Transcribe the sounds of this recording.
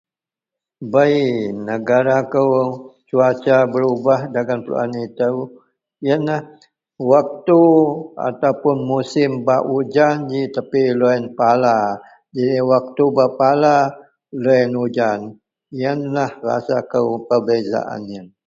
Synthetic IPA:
bajnəɡaɾakəwt͡ʃuat͡ʃabəɾubahdaɡanpəlṵa̰nit̪əw | jənlah | wak̚t̪ua̰t̪awpʊnmusɪmbaʔud͡ʒand͡ʒit̪apiloɛnpala | d͡ʒidiwak̚t̪ubapala | loənud͡ʒan | ijənlahra̰sakəwpəbeza̰ʔa̰njən

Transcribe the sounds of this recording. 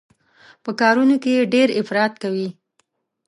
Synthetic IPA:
pəkɑɾunokejeɖeɾɪfɾɑt̪kawi

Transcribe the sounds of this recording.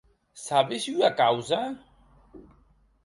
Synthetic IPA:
saβesyakawza

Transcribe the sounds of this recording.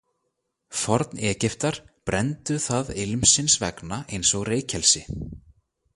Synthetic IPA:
fɔɾt̪nɛːcɪft̪aɾ̥pɾɛnt̪ʏθaðɪlmsɪnsvɛ̰knaʔejnsɔɣreːjcʰɛlsɪ

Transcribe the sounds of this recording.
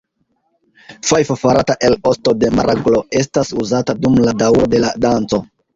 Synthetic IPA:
fajfofaɾataʔe̞lo̞sto̞de̞maɾʔaɡlo̞e̞stasuzatadumladawɾo̞de̞ladant͡so̞

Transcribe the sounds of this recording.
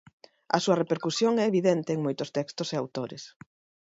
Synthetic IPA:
ɐ̰suɐrepeɾkusjoŋɛeβiðent̪eːŋmojt̪ʊst̪ɛkst̪ʊseawt̪oɾḛs

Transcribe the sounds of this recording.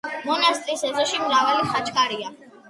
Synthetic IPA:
mɔnast̪ʼisɛzɔʃimɾavaliχat͡ʃʼkʼaɾia

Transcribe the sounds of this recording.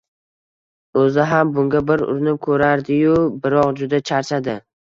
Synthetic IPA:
ɵzɪɦambʊŋɡʲabɪɾʊ̰ɾnɪkʰɵɾaɾd̪ɪjʊbɪɾɒqd͡ʒʊd̪at͡ʃʰaɾt͡ʃʰad̪ɪ

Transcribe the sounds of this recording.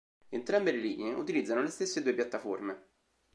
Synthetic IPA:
ent̪ɾambeleliːneʔut̪ilid̪zːanolest̪esːed̪uːepjat̪ːaforme

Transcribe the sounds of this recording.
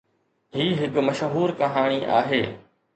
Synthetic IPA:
ɦiːɦɪkmɐʃɦuːɾkɐɦaːɽ̃iʔa̰ːɦeː

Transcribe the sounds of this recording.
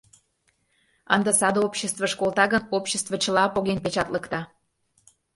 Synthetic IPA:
ə̰nd̪əsɑd̪oopɕəst̪vəʃkolˠt̪ɑɣənopɕəst̪vət͡ɕəlɑpoɣenpet͡ɕɑt̪ləkt̪ɑ

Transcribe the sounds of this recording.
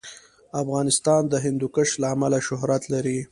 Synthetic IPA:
afɣɑnɪst̪ɑnd̪əɦɪnd̪ukəʃlaːmalaʃʊɦɾat̪laɾi

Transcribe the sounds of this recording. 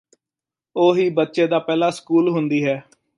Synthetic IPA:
oːɦiːbət̪ːʃeːd̪aːpɛːlaːskuːlɦʊnd̪iːɦɛː

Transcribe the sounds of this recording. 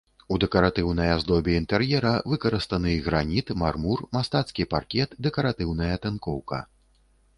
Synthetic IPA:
ud̪ɛkɐɾat̪ɨwnɐjazd̪ɔbʲɛint̪ɛrjɛɾɐvɨkɐɾɨst̪ɐnɨɣɾanʲit̪marmurmast̪at̪skʲiparkʲɛt̪d̪ɛkɐɾat̪ɨwnɐjɐt̪ɛnkɔwkɐ̰

